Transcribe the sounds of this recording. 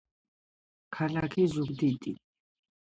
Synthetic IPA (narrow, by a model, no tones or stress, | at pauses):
kʰalakʰizubd̪it̪ʼi